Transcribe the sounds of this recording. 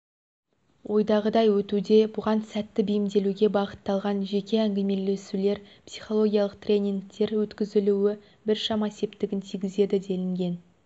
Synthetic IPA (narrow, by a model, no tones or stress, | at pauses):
wʔo̞jd̪ɑʁəd̪ɑjwɵt̪ud̪e̞bʊʁɑnsæt̪ːɪbɪjɪmd̪e̞luɡʲe̞bɑqət̪ːɑlˠʁɑnʒe̞kʲe̞æŋɡʲeme̞le̞sule̞ɾpsi̥jχo̞lˠo̞ɡʲijɑlˠəqt̪rʲe̞nʲiŋk̚t̪ːe̞ɾwɵt̪kʲɪzɪluwɪ | bɪɾʃɑmɑese̞p̚t̪ɪɡʲɪnt̪ʰijɡʲɪze̞d̪ɪd̪e̞lɪŋɡʲe̞n